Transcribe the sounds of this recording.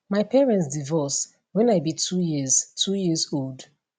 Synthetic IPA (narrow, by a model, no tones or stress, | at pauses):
maɪpʰɛɹɛ̃nts̬divɔs | wɛ̃najbitʰujiz̥tʰujizold